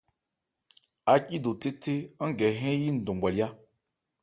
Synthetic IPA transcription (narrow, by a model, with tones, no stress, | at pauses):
a˨ki˦do˨te˦te˦n̩˦ɡɛ˨ɦɛ̃˦ji˦n̩˨dõ˨ɡ͡ba˨lja˦